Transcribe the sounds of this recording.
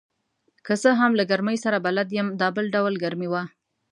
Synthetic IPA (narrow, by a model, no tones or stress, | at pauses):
kəsəɦamlaɡaɾməjsaɾabalad̪jəmd̪ɑbəlɖawlɡaɾmiwa